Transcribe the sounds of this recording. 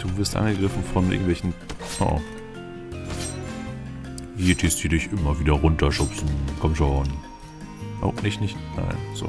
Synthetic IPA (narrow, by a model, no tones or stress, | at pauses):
d̥uːvɪɐstʔa̰nɡəɡʁɪfn̩fɔnʔɪ̰ɐɡŋ̩tvɛlçn̩pfɔ̰ | jeːtʰistiːdɪçʔɪmɐviːdɐʁʊntɐʃʊpsn̩kʰɔmʃon | nɪçnɪçtna̰ɪnz̥o̰